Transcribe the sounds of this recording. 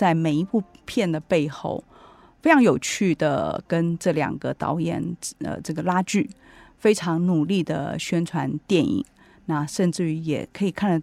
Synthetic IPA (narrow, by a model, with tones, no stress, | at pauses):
t͡sa˥˩ɪme˨˩ɪi˧˥pu˥˧pʰjɛ˥˩nd̪ə˩pe˥˧ɪxo̰˥˩ʊ | fe˥ɪʈ͡ʂʰɑ˧˥ŋjo˨˩ʊt͡ɕʰy˥˩d̪ə̰˩kə˥nʈ͡ʂɤ˥˩ljɑ̰˨˩ŋɡə˦t̪ɑ̰˧˥ʊjɛ̰˨˩nə̰˧ʈ͡ʂɤ˥˩ɡə˩la˥t͡ɕy˥˩ | fe˥ɪʈ͡ʂʰɑ˧˥ŋnu˨˩li˥˩d̪ə̰˩ɕɥɛ˥nʈ͡ʂʰwa˧˦˥nt̪jɛ˥˩nḭ˨˩ŋ | na˥˩ʂə˥˧nʈ͡ʂɻ̩˥˩jɛ̰˨˩kʰɤ˧˥i˨˩kʰa˥˩n˧˩